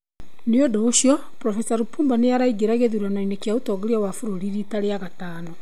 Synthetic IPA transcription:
neodɔoɕjɔ | pɾɔfɛsaɾupuːmbaneaɾaiɡeɾaɣeðuɾanainekjautɔɣeɾiawafuɾoɾiɾitaɾeaɣataːnɔ

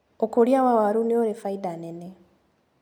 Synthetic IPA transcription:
okoɾjawawaɾunioɾefaidanene

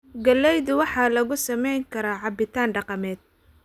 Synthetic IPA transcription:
ɡɐlːɛjðʊwɑħɑːlɐɣʊsɐmɛjŋkʰɐɾaːʕɑbɪt̪ʰaːnɖɑqɑmɛːd̪̚

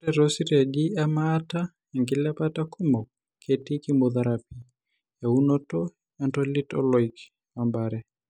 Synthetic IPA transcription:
tɛɾɔsiɾaɡiamaːta | ɛŋɡilɛpatakumɔk̚ | kʰɛtikimɔðaɾapi | jaunɔtɔ | antɔlitɔ̰lɔik | wambaɾɛ

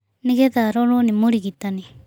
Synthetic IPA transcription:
niɡed̪aɾolonimuɽiɡit̪ːani

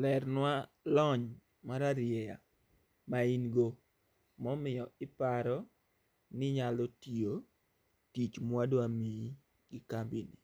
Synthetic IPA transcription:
lɛrnwa | lɔɲ | maɾaɾjɛja̰ | mainɡo | mɔmɪjɔɪpaɾɔ | nɪɲalɔtio | tit͡ʃmwadoami | ɡ̥ɪkambini

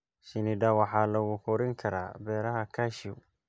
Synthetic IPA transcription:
ʃɪnɪɖɐwɑħɑːlɐɣʊkʰɔɾɪŋkʰɐɾa̰ːbɛːɾɐɦɐkʰaːʃi

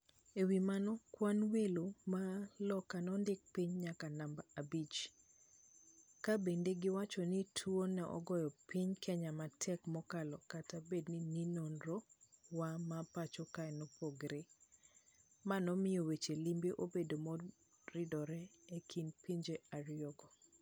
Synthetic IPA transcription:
ewimanɔkwanwelomalɔkanɔndɪk̚piɲɲakanambaabit͡ʃ | kabendeɡɪwat͡ʃɔnitʰwonɛʔɔ̰ɡɔjɔpiɲkʰɛɲamatʰɛkmɔkalɔkatabednininonɾowamapat͡ʃɔkaɛnopoɡɾe | manɔmɪjowet͡ʃelimbeʔobedomɔ | rɪdɔɾɛekʰinpiɲd͡ʒeaɾjjɔɡɔ

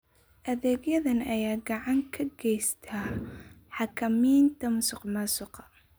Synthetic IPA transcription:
ʔɐðɛːɡjɐðɐnɐjaːɡɑʕɑŋkʰɐɡɛjst̪ʰa | ħɑkʰɐmiːnt̪ʰɐmsʊqmɐsʊqɑ̥

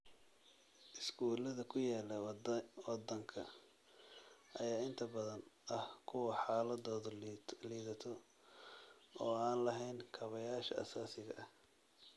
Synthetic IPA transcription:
ʔɪsɡuːlɐðɐkʰʊjaːlɐwɑd̪ɐŋkʰɐ | ʔɐjaːɪnt̪ʰɐbɐðɐnɐhkʰʊwɐħɑːlɐðɔːðliːðɐt̪ʰɔ | ʔɔːaːnlɐɦɛjnkʰɐβɐjaːʃɐʔɐ̰saːsɪɣɐ̰ʔɐh

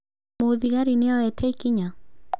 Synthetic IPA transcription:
oðiɣaɾineɔɛtʰɛikiɲa

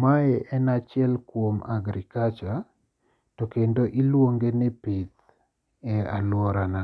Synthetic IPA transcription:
maɛʔɛnat͡ʃjɛlkwomaɡɾikat͡ʃa | tɔkendoʔilwoŋɡenɛpit̪ | ɛalwɔɾana

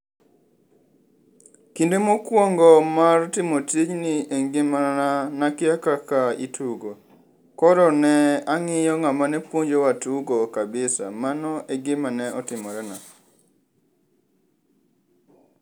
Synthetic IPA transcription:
kindemokwɔŋɡɔmartɪmotit͡ʃnɪʔeŋɡɪmaanakɪjakakaitʰuɡo | kɔɾɔnɛaŋɪjɔŋamanɛpwoɲd͡ʒowatuɡokabɪsa̰manɔʔɛɡɪmanɛʔɔtɪmɔɾɛna

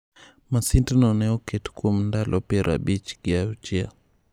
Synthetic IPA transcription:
masintinɔnɛɔkɛtu̥kum̩ndalʔɔpɛɾa̰bit͡ʃɡiaut͡ʃia

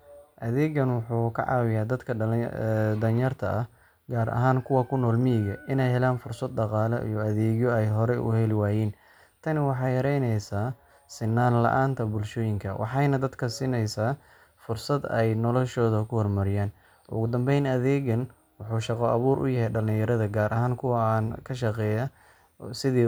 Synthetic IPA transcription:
ʔɐðɛːɣɐnwʊħuːkʰɐ̰ʕɑ̰ːwɪjaːd̪ɐd̪kʰɐ | d̪ɐnjɐrt̪ʰɐʔɐ | ɡaːɾʔɐ̰ɦaːŋkʰʊwɐkʰʊnɔːlmɪjɪɣɐʔɪnɛjɦɛlaːnfʊrsɐd̪̚ɖɑqɑːlɛ̰ʔḭjɔɐðɛːɣjɔɛjɦɔɾɛʔʊ̰hɛlɪwaːjiːn | t̪ʰɐnɪwɑħɑjhɐɾɛjnɛjsaː | sɪnːaːnlɐ̰ʔaːnt̪ʰɐbʊlʃɔːjɪŋkʰɐwɑ̰ħɑjnɐd̪ɐd̪kʰɐsiːnɛjsaː | fʊrsɐd̪ɛjnɔlɔʃɔːðɐkʰʊhɔrmɐɾɪjaːn | ʔʊ̰ɣʊd̪ɐmbɛjnɐðɛːɣɐn | wʊħuːʃɑqɔʔɐβuːɾʔʊ̰jɐɦɛjɖɐlɪ̃jɐɾɐðɐɡaːɾʔɐɦaːŋkʰʊwɐnkʰɐʃɑqɛːjɐ | sɪðiː

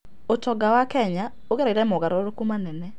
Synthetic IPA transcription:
otɔɡawakɛɲa | oɣɛɾaiɾɛmɔɣaɾɔɾokumanɛnɛ

